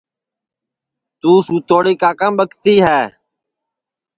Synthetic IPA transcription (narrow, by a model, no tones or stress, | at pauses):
t̪uːsũːt̪oːɽiːkaːkãːmɓəkt̪iːɦɛː